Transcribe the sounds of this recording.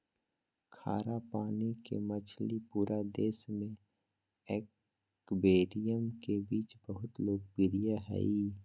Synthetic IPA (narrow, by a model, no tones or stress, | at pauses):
kʰa̰ːɾapaːnikḛmɐt͡ʃʰlipuːɾad̪eːsmẽ | ɛːk | beːɾijəmkebiːt͡ʃbəɦʊt̪loːɡ̚bɪɾijaɦɛ̰i